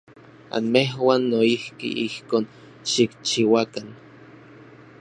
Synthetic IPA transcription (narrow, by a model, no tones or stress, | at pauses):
a̰nmeɦwaːnːoihkḭʔihkoːn | ʃikt͡ʃiwakan